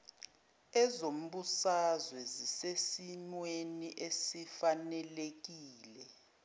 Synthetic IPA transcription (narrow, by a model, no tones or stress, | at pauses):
ɛzom̩ɓusazwɛzisesinweniʔesifanɛlek̬iːlɛ